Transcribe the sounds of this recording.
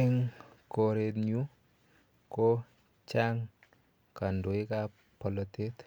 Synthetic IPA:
ɪŋ | koɾet̪ɲu | ko | t͡ʃaŋ | kandoika | pʰɔlɔt̪et̪

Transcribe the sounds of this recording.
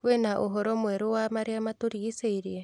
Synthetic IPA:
wenaʔoɦɔɾɔmwɛɾowamaɾeamatoɾiiseiɾie

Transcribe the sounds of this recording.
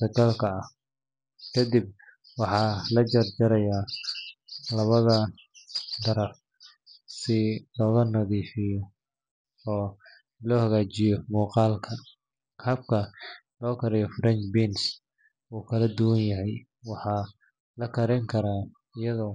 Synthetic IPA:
sɐkʰɐlkʰɐɐh | kʰɐd̪ɪb̚ | wɑħɑːlɐt͡ʃɐrt͡ʃɐɾɐjaː | lɐβɐðɐ | d̪ɐɾɐf | sɪlɔːɣɐnɐðiːfɪjɔ | ɔː | lɔːhɐɣaːt͡ʃɪjɔmuːqɑːlkʰɐ | kʰaːb̚kʰɐ | lɔːkʰɐɾɛjɔfɾɐnt͡ʃbins | uːkʰɐlɐd̪ʊwɐnjɐɦɛj | wɑħɑː | lɐkʰɐɾɪŋkʰɐɾaː | ɪjɐðɔː

